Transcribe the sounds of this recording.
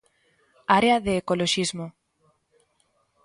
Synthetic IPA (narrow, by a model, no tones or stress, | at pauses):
aɾeaðeːkoloʃizmo